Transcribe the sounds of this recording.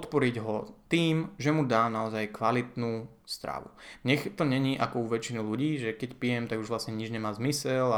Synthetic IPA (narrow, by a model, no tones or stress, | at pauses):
pɔt̪pɔɾiɟɦɔt̪iːmʒɛmud̪aːnaɔzajkʋalit̪nuː | st̪ɾa̰ːʋṵɲɛxt̪ɔɲɛɲiːʔakɔuʋɛt͡ʃinuluɟiːʒɛkɛcpijɛmt̪aɡuʒʋlast̪ɲɛɲid͡ʒɲɛmaːzmisɛla